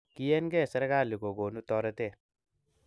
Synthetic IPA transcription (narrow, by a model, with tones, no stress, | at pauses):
ki˦ɛ˦nɡɛ˦˨sɛ˦ɾɡa˦˨li˨ɡo˨ɡo˨nu˦tɔ˦ɾa˦te˦˨